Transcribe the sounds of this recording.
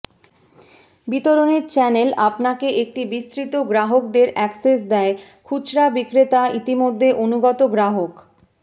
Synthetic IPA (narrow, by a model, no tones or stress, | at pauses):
bit̪oɾoneɾt͡ɕɛnelapnakeʔek̚ʈibist̪ɾit̪oɡɾaɦok̚d̪eɾɛkses̬d̪ɛekʰut͡ɕɾabikɾet̪ait̪imod̪ʱːeʔonuɡɔt̪oɡɾaɦok